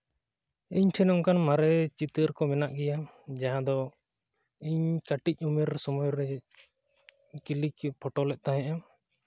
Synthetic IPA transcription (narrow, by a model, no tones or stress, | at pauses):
iɲʈʰɛnɔŋkanmaɾɛt͡ʃit̪əɾkɔmɛnaʔɡɛjad͡ʒaɦãd̪ɔ | iɲkaʈic̚ˀumɛɾsɔmujɾɛ | kilikpʰɔʈɔlɛʔ̪̚ˀt̪aɦɛ̃ʔa